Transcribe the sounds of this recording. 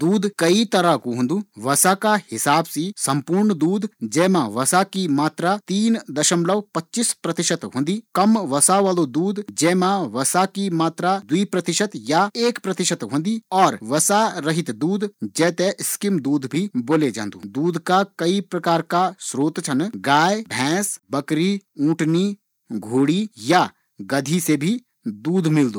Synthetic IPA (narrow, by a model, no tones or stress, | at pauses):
d̪uːd̪kɐit̪ɐɾakoɦõːnd̪ũːʋɐsakahɪsaːbsisɐ̃mpuːɾɳd̪uːd̪d͡ʒɛːmãʋɐsakimaːt̪ɾat̪iːnd̪ɐʃəmləʋpɐtːt͡ʃispɾɐt̪ɪʃət̪ɦõːnd̪iːkɐmʋɐsaʋaːlod̪uːd̪d͡ʒɛːmãʋɐsakimaːt̪ɾad̪wiːpɾɐt̪ɪʃət̪jaeːkpɾɐt̪ɪʃət̪ɦõːn̆d̪iːɔːɾʋɐsaɾɐɦɪt̪d̪uːd̪d͡ʒɛːt̪eskɪmd̪uːd̪ʱbʱiboːled͡ʒã̰ːnd̪ṵːd̪uːd̪ʱkakɐipɾɐkaːɾkasɾoːt̪t͡ʃʰɐnɡaːjbʱɛ̃ːsbɐkɾiũːʈʰni | ɡʱoːɽija | ɡɐd̪ʱisebʱi | d̪uːd̪ʱmɪld̪ũː